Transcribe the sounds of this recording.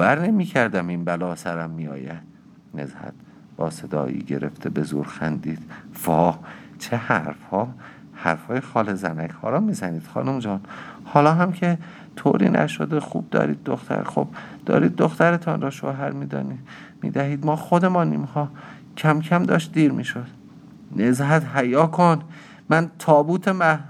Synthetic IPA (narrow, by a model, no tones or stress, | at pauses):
væɾnemiːcʰæɾd̪æminbælɒːsæɾæmːiɒ̰ːjæd̪̥̚ | ne̞̰zhæ̰t̪̚ | bɒːsed̪ɒ̰ːjḭːɟeɾḛft̪ʰebe̞zuːɾxænd̪iːd̪̥vɒːt͡ʃʰehæɾfhɒː | hæɾfhɒːjexɒːlezæ̰nækʰhɒ̰ːlɒːmiːzæniːd̪̥xɒːnumd͡ʒɒːnhɒːlɒːɦæmcʰe | t̪ʰo̰ːɾḭːnʔæ̰ʃod̪exṵːb̚d̪ɒ̰ːɾḭːd̪̚ːoxt̪ʰæ̰ɾexob̚d̪̥ɒ̰ːɾiːd̪̚ːoxt̪æɾet̪ʰɒːnɾɒːʃo̰ɦæɾmiːd̪ɒ̰ːni | mḭːd̪æɦiːd̪mɒːxod̪e̞mɒːniːmhɒː | cʰæmkʰæmd̪ɒːʃt̪̚d̪iːɾmiːʃod̪̥ | nezɦæt̪ɦæjɒːkʰon | mænt̪ʰɒːbuːt̪ʰemæ